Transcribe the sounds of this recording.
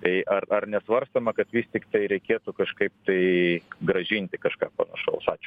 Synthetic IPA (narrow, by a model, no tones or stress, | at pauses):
t̪ɐɪʔɐrɐrnʲɛsʋɐrst̪omɐkɐt̪ʋʲiːsʲt̪ʲɪkt̪ɐɪɾʲɛɪkʲeːt̪ʊkɐʃkɐɪp̚t̪ɐɪɡɾɐʒʲinʲt̪ʲɪkɐʃkɑːpɐnɐʃɐ̰ʊsɑːt͡ʃʲʊ